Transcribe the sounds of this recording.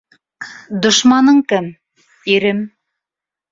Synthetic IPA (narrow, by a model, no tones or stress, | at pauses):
d̪ŏʃmɑnɤɴkɘm | iɾɘm